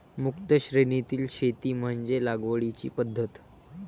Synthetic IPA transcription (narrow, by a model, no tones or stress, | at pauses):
mukt̪əɕɾenit̪iːlɕet̪iːm̤əɳd͡zelaɡʋəɭit͡ɕḭːpəd̪ʱːət̪